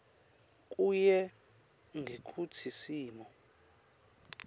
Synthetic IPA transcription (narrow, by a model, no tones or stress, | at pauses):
k̬ʼujɛ | ŋʱekʰutʰisiːmɔ